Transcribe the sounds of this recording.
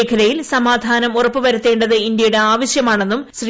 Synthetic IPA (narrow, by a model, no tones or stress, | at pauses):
kʰɐɾɐjilsɐmaːd̪ʱaːnɐmurɐpːɨʋɐɾut̪ːe̞ːɳɖɐðɨind̪jɐjuɽe̞aːʋɐɕjɐmaːɳe̞nːumɕri